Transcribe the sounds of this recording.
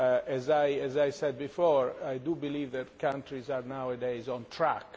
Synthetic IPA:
ɛzajɛzajsɛd̪̚bifɔɹajdubilivðɛtkʰãntɾizaɾnawɛdejzɔ̃ntʰɾak

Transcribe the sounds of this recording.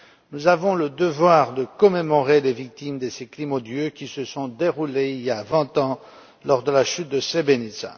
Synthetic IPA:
nuzavɔ̃ləd̪əvwaʁd̪əkɔmemɔʁelevik̚t̪imd̪əseklimod̪jøkʲisəsɔ̃d̪eʁuleiljavɛ̃t̪ɑ̃ | lɔʁd̪əlaʃyt̪̚d̪əsebenisa̰

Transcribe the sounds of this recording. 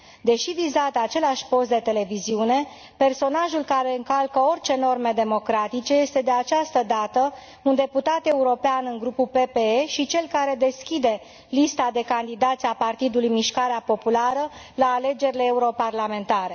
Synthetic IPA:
d̪e̞ʃivizat̪at͡ʃe̞laʃʲpo̞st̪d̪e̞t̪e̞le̞viziune̞ | pe̞rso̞naʒulkaɾe̞ɨŋkalkəo̞rʲt͡ʃe̞no̞rme̞d̪e̞mo̞kɾat̪it͡ʃe̞je̞st̪e̞d̪e̞at͡ʃast̪əd̪at̪ə | und̪e̞put̪at̪e̞uɾo̞peanɨŋɡɾupupe̞pe̞eʃit͡ʃe̞lkaɾe̞d̪e̞skʲid̪e̞ | list̪ad̪e̞kand̪id̪at̪sʲapart̪id̪ulujmiʃkaɾeapo̞pulaɾə | laːle̞d͡ʒe̞ɾile̞ːuɾo̞parlame̞nt̪aɾe̞

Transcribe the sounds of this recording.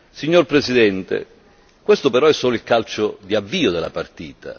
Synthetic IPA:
siɲːorpɾesid̪ɛnt̪ḛ | kwest̪ʊpeɾɔɛsːɔːlilkalt͡ʃʊd̪iavːiːod̪ela̰part̪iːt̪a̰

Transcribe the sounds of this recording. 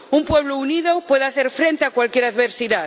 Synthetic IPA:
umpweβ̞louniðopweðaθeɾfɾent̪eakwalkjeɾaðβeɾsiða

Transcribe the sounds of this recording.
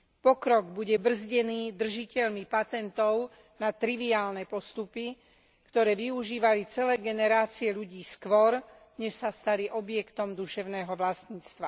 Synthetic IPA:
pɔkɾɔɡbuɟɛbr̩zɟɛniːd̪r̩ʒicɛʎmipat̪ɛnt̪ɔʊ | nat̪ɾiʋiaːlnɛpɔst̪upi | kt̪ɔɾɛːʋiuʒiːʋalit͡sɛlɛːɡɛnɛɾaːt͡siɛʎuɟiːskʋɔɾ | ɲɛʃsast̪aliʔɔbɪjɛkt̪ɔmd̪uʃɛʊnɛːɦɔʋlast̪ɲiːt͡st̪ʋa

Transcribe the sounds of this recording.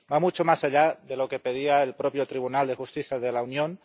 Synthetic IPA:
bamut͡ʃomasaʎaðe̞lo̞ke̞peð̞iaelpɾopjot̪ɾiβ̞unald̪exust̪iθjaðelaunjõn

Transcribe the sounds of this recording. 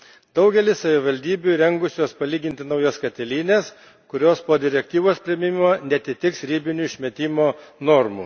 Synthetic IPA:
d̪ɒʊɡʲɛlʲɪssɐʋʲɪʋɐlʲd̪ʲiːbʲuɾʲɛŋɡʊsʲoːspɐlʲiːɡʲɪnʲt̪ʲɪnɐʊjoskɐt̪ʲɛlʲiːnʲeːs | kʊɾʲoːspoːd̪ʲɪɾʲɛk̚t̪ʲiːʋoːspʲɾʲɪmʲɪmʲɪmoːnʲɛɐt̪ʲɪt̪ʲɪksɾʲiːbʲɪnʲuɪʃʲmʲɛt̪ʲiːmoːnɔɾmṵ

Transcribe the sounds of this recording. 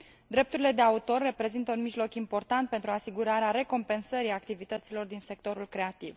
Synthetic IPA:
d̪ɾe̞p̚t̪uɾile̞d̪e̞aut̪o̞rːe̞pɾe̞zint̪əunmiʒlo̞kimpo̞rt̪ant̪̚pet̪ɾuasiɡuɾaɾeaɾe̞ko̞mpe̞nsəɾiakt̪ivit̪ət̪silo̞rd̪inse̞k̚t̪o̞ɾulkɾe̞at̪iv

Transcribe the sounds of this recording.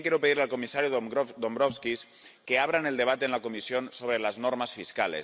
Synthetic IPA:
ŋkeɾupeðiɾlealkumisaɾjud̪ombɾofskis | keaβ̞ɾaneld̪eβ̞at̪enlakumisijonsoβ̞ɾelaznoɾmasfiskalḛ

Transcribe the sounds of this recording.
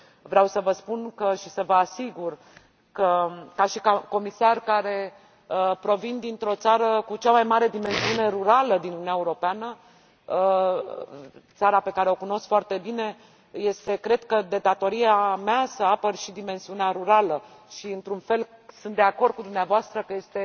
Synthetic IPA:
vɾeawsəvəspunkəʃisəvəasiɡur | kəkaʃikako̞misarkaɾe̞ | əpɾo̞vind̪int̪ɾo̞t̪saɾəkut͡ʃamajmaɾe̞d̪ime̞nsiune̞ɾuɾaləd̪inununaeuɾo̞peanə | t̪saɾape̞kaɾe̞o̞kuno̞skfoart̪e̞bine̞ | je̞st̪e̞kɾe̞d̪̥kəd̪e̞d̪at̪o̞ɾiameasəapərʃid̪ime̞nsiuneaɾuɾalə | ʃiɨnt̪ɾunfe̞lsɨnt̪d̪eako̞rd̪̚kud̪umneavoast̪ɾəkəje̞st̪e̞

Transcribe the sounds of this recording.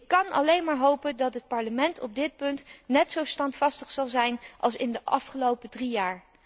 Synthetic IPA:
kːɑnɑ̰lejnmaːɹɦowpəndɑtɦət̚pɑɹləmɛntʰɔb̚dɪt̚pɵntnɛtsowstɑntfɑstəχsɑlˠzɛjnʔɑ̰lˠsɪndəʔɑ̰fχəlowpədrijaːɹ

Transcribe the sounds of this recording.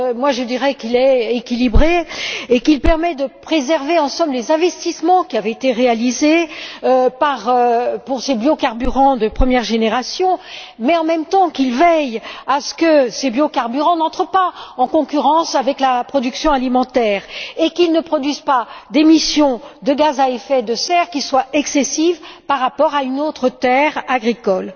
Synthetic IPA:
mwaʒəd̪iʁɛkilɛekʲilibʁeːkilpɛʁmɛd̪əpχezɛʁveɑ̃sɔ̃mblezɛ̃vɛst̪ismɑ̃kʲiavɛet̪eʁealizeøpaʁpuʁsebjokaʁbyʁɑ̃d̪əpχəmjɛʁʒeneʁasjɔ̃ | mɛɑ̃mɛmt̪ɑ̃kilvɛjasə̥kəsebjokaʁbyʁɑ̃nɑ̃t̪χəpaɑ̃kɔ̃kʲyʁɑ̃savɛklapχɔd̪yksjɔ̃alimɑ̃t̪ɛːʁekilnəpχɔd̪ɥizpad̪emisjɔ̃d̪əɡazaefɛd̪əsɛʁkʲiswaɛksesivpaʁːapɔʁaynot̪χət̪ɛʁaɡʁikɔl

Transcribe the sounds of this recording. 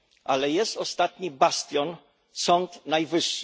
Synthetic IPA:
ʔalɛjɛst̪ɔst̪at̪ɲibast̪ʲjɔn | sɔnt̪najvɘʂː

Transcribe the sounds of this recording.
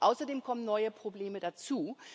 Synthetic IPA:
ʔaʊsɐdeːmkʰɔmənːɔʏəpʁ̥obleːmədat͡suː

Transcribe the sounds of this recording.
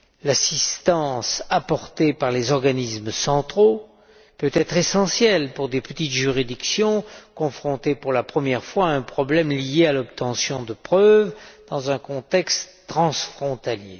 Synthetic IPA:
lasist̪ɑ̃sapɔʁt̪epaʁlezɔʁɡanismsɑ̃t̪χo | pøt̪ɛt̪χesɑ̃sjɛlpuʁd̪epət̪it̪ʒyʁid̪iksjɔ̃kɔ̃fχɔ̃t̪epuʁlapχəmjɛʁfwaɛ̃pχɔblɛmlijealɔpt̪ɑ̃sjɔ̃d̪əpχœvd̪̥ɑ̃zɛ̃kɔ̃t̪ɛkst̪t̪χɑ̃sfχɔ̃t̪aljḛ

